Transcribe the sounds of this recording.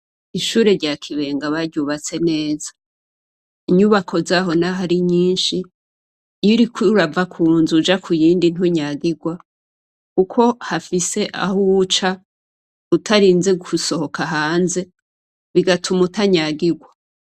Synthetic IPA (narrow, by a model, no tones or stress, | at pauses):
iʃuːɾe̞ɾɟaːkʰiβe̞ːŋɡaβaɾɟuβat͡se̞ne̞ːzḁ | iɲuβakʰo̞zaɦo̞naɦaɾiɲiːnʃi | juɾikiuɾavakʰuːnzud͡ʒakʰujiːndin̥uɲaɡiɡwa | kukʰo̞hafise̞ʔa̰hut͡ʃa | utʰaɾiːnze̞ɡuuso̞ho̞kaɦaːnze̞ | βiɡatʰumutaɲaɡiɡwa